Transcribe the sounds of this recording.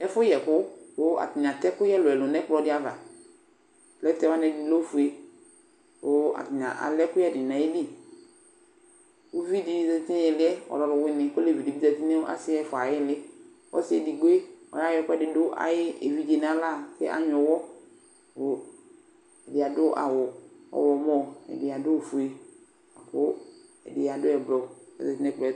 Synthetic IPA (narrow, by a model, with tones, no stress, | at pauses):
ɛ˦fʊ˦jɛ˨kʊ˦wʊ˦a̰˨tɪ˨ɲ˨ã˨tɛ˦kʊ˦jɛ˦lʊ˨ɛ˨lʊ˨nɛ˦k͡plɔ˨dɪ˦a˨va˨ | lɛ˦tɛ˦wa˦nɛ˨di˨lo˦fu˨e˨ | ʊ˨a̰˨tɪ˨ɲã̰˨ʔa̰˨lɛ˦kʊ˦jɛ˦˨dɪ˨nã˨e˦di˦˨ | wo˦vi˦dɪ˦˨za˨˦ti˦n˦ɛ˨lɪ˦ɛ˦ɔ̰˨lɔ˨ɾʊ˨wɪ˦nɪ˨kʊ˦le˦˨vi˨di˨bi˦za˨ti˦nɛ˦a̰˦sɪ˦ɛ˦fʊ˨a˨jɪ˦lɪ˦ | wɔ̰˦sɪ˦ɛ˨di˨ɡ͡be˦ɔ̰˨ja˦jɔ˦kʊ˦ɛ˦dɪ˨dʊ˦ʔa̰˨jɪ˦e˨vi˦d͡ʒe˨n˦a˦la˦˨kɪ̰˦ʔa̰˨ɲɔ˨wɔ˦ | ʊ˨ | ɛ˨dɪ˨a˨dʊ˦ʔa̰˨wɔ˨ɔ̰˨wɔ˨mɔ˦˨ɛ̰˨dɪ˨a˨dʊ˦˨fu˨e˨ | a˨kʊ˦ | ɛ̰˨dɪ˨a˨dʊ˦ɛ˨blɔ˨ɛ̰˨zɛ˨ti˦ɛ˦k͡pɛ˨